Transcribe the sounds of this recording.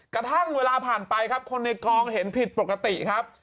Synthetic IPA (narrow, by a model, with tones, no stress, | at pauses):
kɾa˧t̪ʰa˥˩ŋweː˧laː˧pʰaː˨˩npa˧jkʰa˦˥p̚kʰo˧nːa˧jkɔː˧ŋhe˩˦npʰi˨˩t̪̚po˨˩ka˧t̪i˨˩ʔkʰa˦˥p̚